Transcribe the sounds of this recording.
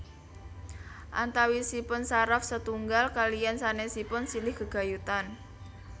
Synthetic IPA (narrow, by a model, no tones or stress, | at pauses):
ʔa̰nt̪awisipʊnsaɾafsət̪uŋɡalkalijansanesipʊnsilɪhɡ̥ə̤ɡ̥a̤jut̪an